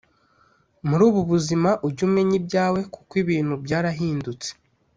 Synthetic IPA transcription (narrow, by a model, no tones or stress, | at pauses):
muɾuːβuβuzimaʔuɟume̞ɲibɟaːwe̞ku̥kwiβiːn̥hubɟaːɾaɦiːndut͡se̥